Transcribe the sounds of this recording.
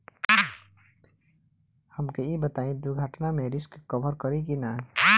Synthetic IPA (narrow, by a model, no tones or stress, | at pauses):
həmkeibət̪aːĩd̪uɡʱəʈnamẽɾɪskkəbʱəɾkəɾikina